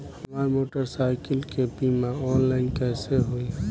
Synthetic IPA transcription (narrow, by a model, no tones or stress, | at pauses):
həmaɾmoʈəɾsajkəlkepimaɔnlaɪnkɛɦseɦoi